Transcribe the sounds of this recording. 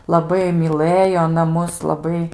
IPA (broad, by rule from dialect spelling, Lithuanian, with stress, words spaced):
lˠɐˈbɐɪ mʲiːˈlˠɘjoː ɐˈnɐ ˈmʊs lˠɐˈbɐɪ